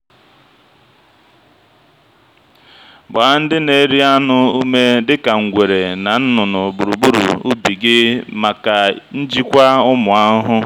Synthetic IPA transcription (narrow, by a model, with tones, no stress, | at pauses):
ba˨˦n̩˦dɪ˦ne˨ɾi˦a˦nʊ˦u˦me˦dɪ˦ka˨ŋ̩˨ɡʷe˨ɾe˨na˨n̩˦nʊ˨nʊ˨bu˨ɾu˨bu˦ɾṵ˨u˦bi˨ɡɪ˦ma˨ka˨n̩˦d͡ʒi˦kʷa˦ʊ˦mʊ˨a˦ɦʊ˦